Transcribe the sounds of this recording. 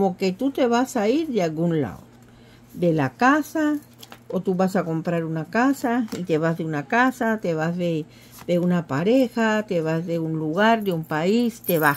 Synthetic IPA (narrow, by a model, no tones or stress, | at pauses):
moket̪ut̪eβasaiɾd̪ealɡunla̰o | d̪elakasa | ot̪uβasakompɾaɾunakasait̪eβazðeunakasat̪eβazβe | d̪eunapaɾexat̪eβazðeunluɣaɾd̪eumpaist̪eβa